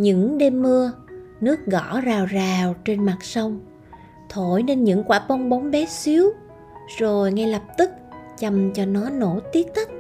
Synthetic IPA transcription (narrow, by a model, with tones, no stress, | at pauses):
ɲɨ̰˧˥ŋɗe˧mːɨ˧ə | nɨ˦˥ək̚ɣɔ˧˥zaː˨˩wzaː˨˩wt͡ɕe˧nma˨˩t̚sə˧wŋ͡m | t̪ʰo̰˧˩jne˧nɲɨ̰˧˥ŋkwaː˧˩pɔ˧wŋ͡mɓa˨˦wŋ͡mɓɛ˨˦si˨˦əw | zo˨˩jŋa˧jlə˨˩p̚t̪ɨ˦˥k̚t͡ɕa˨˩mt͡ɕɔ˧nɔ˨˦no̰˧˩˥t̪i˦˥ək̚t̪ʰɨ˦˥k̚